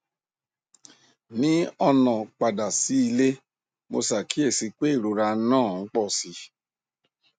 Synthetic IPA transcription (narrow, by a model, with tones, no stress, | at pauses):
nĩ˨˦ɔ˦˧nã˨k͡pa˨da˨si˨˦i˧le˦ | mo̰˧sa˨kʰi˨˦e˦˨si˧k͡pe˦i˦˨ɾo˨˧ɾa˧˦nãː˦˨ŋ̩˦k͡pɔ˦˨si˧˦